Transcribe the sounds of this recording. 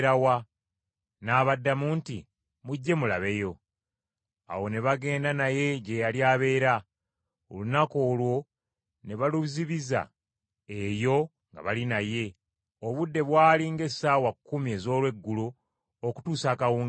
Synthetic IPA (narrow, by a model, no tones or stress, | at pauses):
ɾawa | naːβadːamuːntḭ | muɟːe̞mulaβe̞jo̞ | a̰wo̞ne̞βaɡe̞ːndanaje̞ɟe̞jaljaːβe̞ːɾa | o̰lunako̞ːlwo̞ | ne̞βaluziβiza̰ | ejo̞ | ŋɡa̰βalinaje̞ | oβudːe̞βwaːliŋɡe̞saːwakːumie̞ːzo̞ːlwe̞ɡːuluː | ku̥tuːsaːkawuːŋ